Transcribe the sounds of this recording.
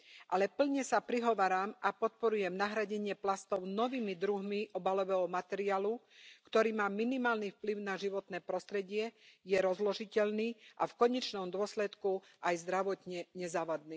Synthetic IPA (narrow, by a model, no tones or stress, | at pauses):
ʔalɛpl̩ɲɛsapɾiɦɔʋaːɾaːmʔapɔt̪̚pɔɾujɛmnaɦɾaɟɛɲɪɛplast̪ɔʊnɔʋiːmid̪ɾuɦmiʔɔbalɔʋɛːɦɔmat̪ɛɾiaːlukt̪ɔɾiːmaːminimaːlnifpliʊnaʒiʋɔt̪nɛːpɾɔst̪ɾɛɟɪɛjɛɾɔzlɔʒicɛʎniːʔafkɔɲɛt͡ʃnɔmd̪ʊɔslɛt̪ku | ajzd̪ɾaʋɔt̪ɲɛɲɛzaːʋad̪niː